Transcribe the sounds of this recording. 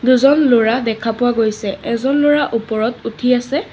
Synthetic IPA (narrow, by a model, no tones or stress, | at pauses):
duzɔnloɹadɛkʰapʊwaɡojsɛɛzɔnloɹaʔupɔɹɔtutʰiasɛ